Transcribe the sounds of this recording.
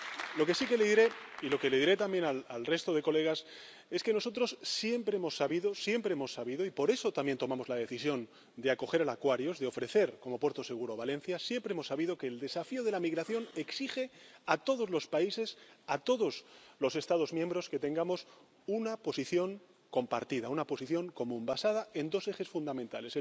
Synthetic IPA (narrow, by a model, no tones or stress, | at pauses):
lo̞ke̞sike̞leðiɾe̞ilo̞ke̞leðiɾe̞t̪ambje̞nalalre̞st̪o̞ðe̞ko̞le̞ɣ̞as | e̞ske̞no̞so̞t̪ɾo̞sːje̞mpɾeemo̞sːaβiðo̞sje̞mpɾe̞emo̞sːaβiðo̞ipo̞ɾe̞so̞t̪ambje̞nt̪o̞mamo̞zlað̞e̞θisjo̞n | d̪eako̞xe̞ɾalakwaɾjo̞zðeo̞fɾe̞θe̞ɾko̞mo̞pwe̞ɾt̪o̞se̞ɣ̞uɾo̞βale̞n̟θjasje̞mpɾeemo̞sːaβiðo̞ke̞ːld̪e̞safio̞ð̞e̞lamiɣ̞ɾaθjo̞ne̞ksixe̞at̪o̞ð̞o̞zlo̞spaise̞sat̪o̞ðo̞zlo̞se̞st̪að̞o̞zmjembɾo̞ske̞t̪e̞ŋɡamo̞s | unapo̞siθjo̞ŋ | ko̞mpa̰ɾt̪iðaunapo̞siθjo̞ŋko̞mũmbasað̞ae̞nd̪o̞se̞xe̞sfund̪amẽnt̪ale̞se